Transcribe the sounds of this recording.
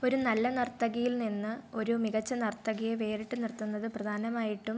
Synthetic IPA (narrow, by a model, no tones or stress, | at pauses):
o̞ɾunɐlːɐnɐrt̪ːɐɣɐjilninːɨo̞ɾumiɣɐt͡ɕːɐnɐrt̪ːɐɣɐjeʋe̞ːriʈːɨnirt̪ːunːɐðɨprɐd̪ʱaːnɐmaːjiʈːum